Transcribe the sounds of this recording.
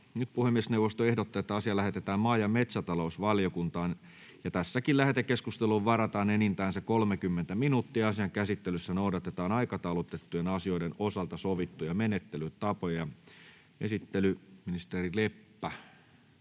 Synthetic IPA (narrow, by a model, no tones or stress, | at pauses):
nyt̪̚puhemːiesneuwʋˑost̪oehdot̪ːɑet̪ːæɑsiɑlæhet̪et̪æːmmɑːjɑmet̪sæt̪ɑlousʋɑljokunt̪ɑːn | jɑt̪æsːækillæhet̪ekeskust̪eluʋʋɑrɑt̪ɑːnenint̪æːnsekolmekymːent̪æminut̪ːiɑɑsiɑŋkæsit̪ːelysːænoudɑt̪et̪ɑːnɑikɑt̪ɑˑulot̪et̪ːujenɑsioidenosɑlt̪ɑsoʋit̪ːujɑmenet̪ːelytt̪ɑpojɑjɑ | esit̪ːelyminist̪erilepːæ